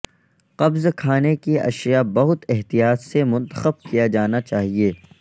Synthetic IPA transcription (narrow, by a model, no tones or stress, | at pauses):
qɐbzkʰaːnekiʔɐ̰ʃjabɐɦʊt̪ɛɦt̪ijaːt̪semʊ̃nt̪ə̥xəb̚kijad͡ʒaːnat͡ʃaːɦieː